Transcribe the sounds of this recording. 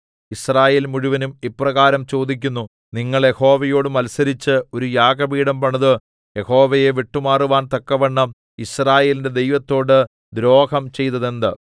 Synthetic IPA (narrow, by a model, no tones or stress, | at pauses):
israːje̞ːlmuɻuʋɐnumipːrɐɣaːɾɐmt͡ɕo̞ːd̪ik̬ʲːunːu | niŋːɐɭje̞ho̞ːʋɐjo̞ːɽumɐlsɐɾit͡ɕːɨo̞ɾujaːɡɐbiːɽɐmpɐɳɐðɨ | je̞ho̞ːʋɐjeʋiʈːumaːruʋaːnt̪ɐkːɐʋɐɳːɐm | israːje̞ːlinde̞d̪e̞jʋɐt̪ːo̞ːɽɨ | d̪ɾo̞ːhɐmt͡ɕe̞jt̪ːɐðe̞nd̪ɨ